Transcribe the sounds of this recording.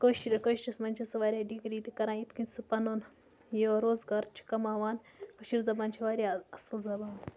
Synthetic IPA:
koːʃiɾʲɐkoːʃt͡ʃʲɐsmɐnʲt͡ʃʰɐsʋaːɾʲaːɖiɡɾiːt̪ikɐɾãːit̪kinʲsupɐnoːn | joːɾoːzɡaːɾt͡ʃʰi̥kɐmaːʋaːn | koʃiɾzɐbaːnt͡ʃʰiʋaːɾʲaɐslzɐbaːn

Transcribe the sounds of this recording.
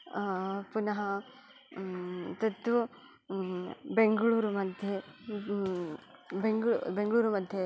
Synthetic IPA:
punɐɦɐ | t̪ɐt̪ʋu | beŋɡɐɭuːɾumɐd̪ʱjɐ | beŋɡɭbeŋɡɭuːɾumɐd̪ʱjɐ

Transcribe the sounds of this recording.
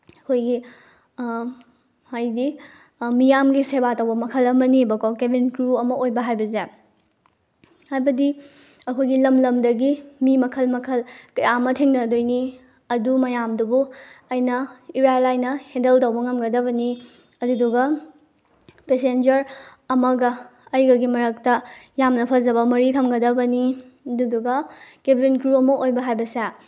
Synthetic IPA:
ɐkʰojɡi | ajdi | mijamɡisebatɐwbɐmɐkʰɐlɐmɐnibɐkowkebinkɾuɐmɐojbɐɦajbɐze | hajbɐdi | ɐkʰojɡilɐmlɐmdɐɡimimɐkʰɐlmɐkʰɐlkɐjamɐtʰeŋdɐdojni | ɐdumɐjamdubuɐjnɐiɾajlajnɐhẽndɐltɐwbɐŋɐmɡɐdɐβɐni | ɐduduɡɐ | pesend͡ʒɐɾɐmɐɡɐːjɡɐɡimɐɾɐk̚tɐjamnɐpʰɐzɐbɐmɐɾitʰɐmɡɐdɐbɐniɐduduɡɐkebʱinkɾuɐmɐʔojbɐɦajbɐsa

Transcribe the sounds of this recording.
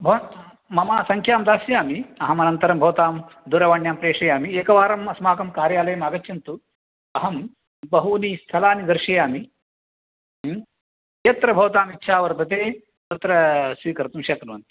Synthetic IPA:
bʱɐ | mɐmaːsɐŋkʰjaːmd̪aːsjaːmiɐɦɐmɐnɐnt̪ɐɾɐmbʱɐʋɐt̪aːmd̪uɾɐʋaːɳjaːmpɾeːʂɐjaːmieːkɐʋaːɾɐmɐsmaːkɐmkaːɾjaːlɐjɐmaːɡɐt͡ʃːjɐnt̪u | ɐɦɐm | bɐɦuniːst̪ʰɐlaːnid̪ɐɾʂɐjaːmi | jɐt̪ɾɐbʱɐʋɐt̪aːmitːʃʰaːʋɐɾt̪ɐt̪eː | t̪ɐt̪ɾɐsʋiːkɐɾt̪umʃɐkɐnuʋɐnt̪i̥

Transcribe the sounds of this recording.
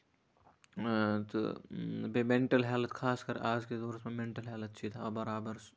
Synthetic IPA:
t̪o̰bemẽɳʈəlɦaːlət̪kʰaːskɐɾaːd͡ʒkezoːɾt̪mẽmẽɳʈəlɦaːlət̪t͡ʃʰit̪ʰabɐɾaːbəɾs

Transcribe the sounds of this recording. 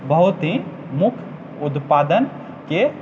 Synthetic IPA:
bəɦut̪ɦĩ | mukʰ | ud̪pad̪ən | ke

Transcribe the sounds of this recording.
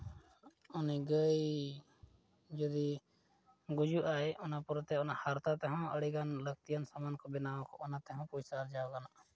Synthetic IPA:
ʊniɡəj | d͡ʒɔd̪i | ɡʊd͡ʒuʔaeʔʊnapʊɾt̪ɛʊnahaɾt̪at̪ɛɦɔ̃əɽiɡanləɡ̚t̪ijənsamankɔbɪnaɔ̃kɔ̰ʔʊnat̪ɛɦɔ̃pusaɾd͡ʒaːɔkanaʔ

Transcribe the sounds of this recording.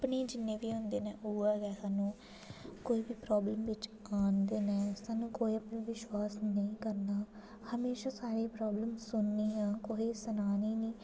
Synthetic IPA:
əpniːd͡ʒɪnːẽːʋiːɦʊ̃nd̪eːnɛ̃ːʔuːaːɡɛːsaːnũː | koːiːbiːpɾaːbləmʋɪt͡ʃaːnd̪eːnɛ̃ːsaːnũːkoːiːəpnĩːʋɪʃwaːsnəĩːkəɾnaː | həmeːʃaːsaːɾeːpɾaːbləmsʊnːiːɦãːkoːiːsənaːniːniː

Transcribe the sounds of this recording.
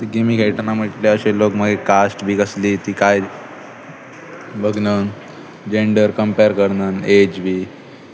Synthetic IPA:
t̪iɡemiːkʰeʈənam̤əʈleəɕelokməd̪ʱjekasʈbʱiːɡəsliːt̪iːkaj | bəɡnən | d͡ʑeɳɖəɾkəmpeɾkəɾnənet͡ɕbʱiː

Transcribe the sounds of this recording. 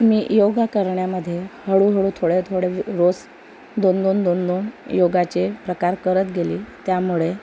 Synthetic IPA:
miːjoɡakəɾɳjaməd̪ʱːjehəɽuːɦəɽuːt̪ʰoɽet̪ʰoɽeɾos | d̪ond̪ond̪ond̪onjoɡat͡ɕepɾəkaɾkəɾət̪ɡeliːt̪jamuɭe

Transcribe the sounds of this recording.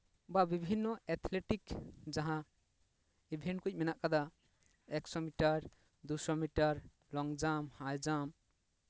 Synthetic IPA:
babibʱinːɔɛt̪ʰleʈikd͡ʒaɦã | ibʱenkujminaʔkad̪a | eksɔmiʈaɾ | d̪usɔmiʈaɾ | lɔŋd͡ʒamhajd͡ʒam

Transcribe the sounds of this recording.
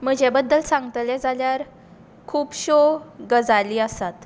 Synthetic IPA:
məɡd͡ʑebəd̪ːəlsãŋɡt̪ljɛd͡zaljaɾ | kʰuːpɕoɡəd͡zaliːəsat̪

